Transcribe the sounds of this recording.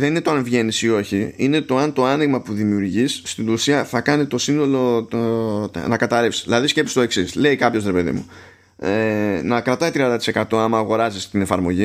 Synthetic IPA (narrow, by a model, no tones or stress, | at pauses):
ðe̞ninet̪oɐnvʝe̞nisio̞çiine̞t̪o̞ɐnt̪o̞ɐniɣmɐpuðimiuɾʝisːt̪inusiɐθɐkɐnit̪o̞sino̞lo̞t̪ | nɐkɐt̪ɐɾefsi̥ðilɐðisce̞pist̪o̞e̞ksisle̞ikɐpço̞sɾe̞pe̞ðḭmṵ | enɐkɾɐt̪ɐit̪ɾiɐnd̪ɐt̪i̥se̞kɐt̪o̞ɐmɐːɣo̞ɾɐzist̪ine̞fɐɾmo̞̰ʝi